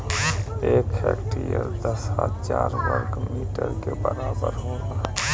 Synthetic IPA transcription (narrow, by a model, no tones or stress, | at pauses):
eːkɛkʈijəɾd̪əsat̪t͡ʃaːɾwəɾkmiːʈəɾkebəɾaːbəɾɦoːɡa